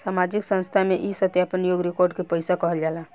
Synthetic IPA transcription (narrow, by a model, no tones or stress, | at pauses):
samad͡ʒiksə̃nst̪ʰameʔisət̪japənjoɡɾekoɾɖkepəɪsakəɦəld͡ʒala